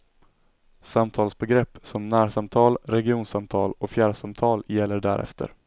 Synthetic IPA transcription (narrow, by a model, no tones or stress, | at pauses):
samt̪ʰɑːlsbɛɡɾɛpːsɔmnæːɾʂamt̪ʰɑːlɾɛɡɪuːnsamt̪ʰɑːlɔfjæːɖʂamt̪ʰɑːljɛlːəɖæ̰ɾʔɛ̰ft̪ʰə̰ɾ